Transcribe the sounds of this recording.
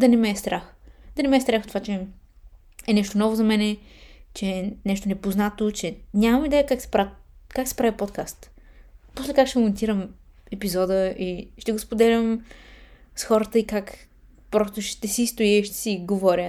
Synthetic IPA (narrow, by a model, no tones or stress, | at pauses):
d̪ɐnɛmɛst̪ɾaxd̪ɐnɛmɛːst̪ɾaxt̪ovat͡ʃɛ | ɛnɛʃt̪onɔvozɐmɛnɛt͡ʃɛnɛʃt̪onɛpoznat̪ot͡ʃɛnʲamɐmid̪ɛjəkaksɛ̥pɾakaksɛ̥pɾavipot̪kast̪poslɛkakʃt̪ɛmmont̪iɾəm | ɛpizɔd̪əʔiʃt̪ɛɡoʊspod̪ɛlʲəm | sxɔɾət̪əikak | pɾɔst̪oʃt̪ɛsist̪oɛʃt̪ɛ̥siɡovɔɾʲə